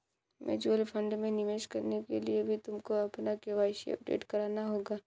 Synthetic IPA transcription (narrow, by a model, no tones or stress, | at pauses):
mʔɛ̰d͡ʒuəlpʰə̃ɳɖmẽnɪʋeːʃkɐɾnekeliebʱit̪ʊmkoɐpnakeʋaːɪʃiɐ̰p̚ɖḛːʈkɐɾaːnaɦoːɡaː